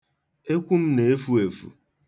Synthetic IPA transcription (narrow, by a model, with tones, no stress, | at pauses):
e˦kʷu˦m̩˦ne˨e˦fu˦e˨fṵ˨